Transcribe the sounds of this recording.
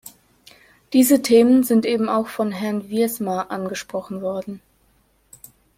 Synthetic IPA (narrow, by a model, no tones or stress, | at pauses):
d̥iːzətʰeːmənzɪntʔeːbm̩aʊxfɔnɦɛɐnviɐsmaʔanɡəʃpʁ̥ɔχn̩vɔɐdn̩